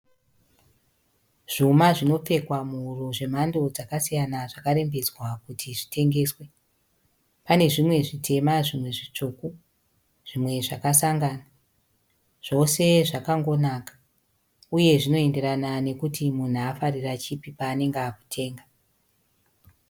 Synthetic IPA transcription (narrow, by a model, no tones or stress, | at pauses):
ʐ̥umaʐino̞p͡fe̞kwamuuroʐe̞m̤ando̞d͡zakasijanaʐakaɾe̞mbed͡zwakutʰiʐite̞ŋɡe̞ːswe̞ | pane̞ʐimwe̞ʐitʰe̞maʐimwe̞ʐit͡ʂuku | ʐ̥imwe̞ʐakasaŋɡana | ʐ̥o̞se̞ʐakaŋɡo̞nakḁ | uje̞ʐino̞e̞nde̞ɾanane̞kutʰimun̤uafarirat͡ʃipipaːne̞ŋɡaːku̥tʰe̞ːŋɡa